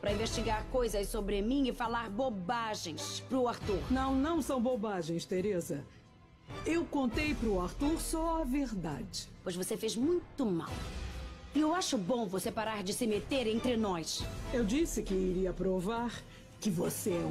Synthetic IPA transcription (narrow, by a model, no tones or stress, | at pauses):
pɾɐĩveʃt͡ʃiɡaɾkojzɐssobɾɪmĩɪfalaɾbobaʒẽj̃spɾʊaɾt̪uɾnɐ̃w̃nɐ̃w̃sɐ̃w̃bobaʒẽj̃st̪eɾezɐ | ewkõnt̪ejpɾʊaɾt̪uɾsɔɐveɾd̪a̰d͡ʒɪ̥pojzvosefezmũj̃t̪ʊma̰w | ɪewaʃʊbõvosepaɾaɾd͡ʒɪsɪmet̪eɾẽnt̪ɾɪnɔsewd͡ʒisɪkɪiɾiɐpɾovaɾ | kɪvose